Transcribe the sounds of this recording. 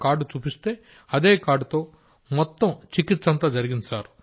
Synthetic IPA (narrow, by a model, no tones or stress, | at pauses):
kaːɾɖut͡ʃuːpist̪e̞ː | ɐd̪e̞ːkaːɾɖut̪o̞ː | mɔt̪ːɐmt͡ʃikit̪ːsɐnt̪aːd͡ʒɐɾiɡinsaːɾu